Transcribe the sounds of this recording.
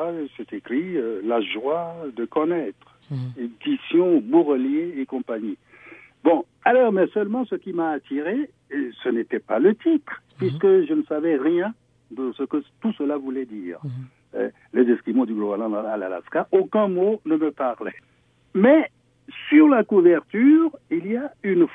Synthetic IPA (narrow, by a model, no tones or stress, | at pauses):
sɛt̪ekχiølaʒwad̪əkɔnɛt̪χ | ed̪̥isjɔ̃buʁəljeːkɔ̃paɲi | bɔ̃ | alɔʁmɛsœlmɑ̃səkʲimaːt̪iʁe | sənet̪ɛpalət̪it̪χpɥiskəʒənəsavɛʁjɛ̃ | d̪əsəkət̪usəlavulɛd̪iːʁ̰ | lɛzɛskimõd̪yɡlɔbalɑ̃ala̰la̰skaʔokɛ̃monəməpaʁlɛ̰ | mɛ | syʁlakuvɛʁt̪yʁiliaynf